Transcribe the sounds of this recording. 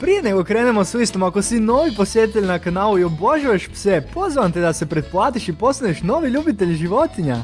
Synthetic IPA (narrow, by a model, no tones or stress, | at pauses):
pɾije̞neɡokɾeːnemosuist̪omako̞sino̞ːʋipo̞sjet̪it̪eʎʲnakanaːlˠuioboʒueʃpsepo̞zʋant̪ed̪ase̞pɾet̪̚plˠaːt̪iʃipo̞st̪aneʃno̞ːʋiʎuːbit̪eʎʒiʋo̞t̪iɲa